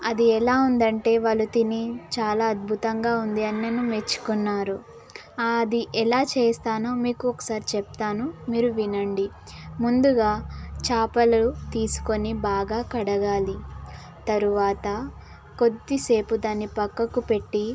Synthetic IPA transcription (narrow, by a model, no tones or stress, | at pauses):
ɐd̪iɛlaːund̪ɐɳʈe̞ːʋɐlut̪init͡ʃaːlaːɐd̪̚bʱut̪ɐŋɡaːund̪iɐnːɐnumet͡ʃːu̥kunːaːɾu | ad̪iʔɛlaːt͡ʃeːst̪aːnoːmiːkuɔkːɐ̥saːɾit͡ʃɛp̚t̪aːnumiːɾuʋinɐɳɖi | mund̪uɡaːt͡ʃaːpɐlɐut̪iːsu̥ko̞nibaːɡaːkɐɽɐɡaːli | t̪ɐɾuʋaːt̪ɐ | ko̞d̪ːise̞ːpud̪aːnːipɐkːɐkupe̞ʈːi